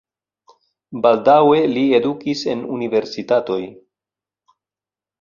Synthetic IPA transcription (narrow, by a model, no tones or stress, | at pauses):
baldawe̞lie̞dukise̞nunive̞ɾsitato̞j